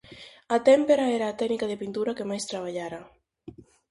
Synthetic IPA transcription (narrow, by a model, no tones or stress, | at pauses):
at̪ɛmpeɾaɛɾaːt̪ɛɡnikaðepint̪uɾakemajst̪ɾaβ̞aʎaɾa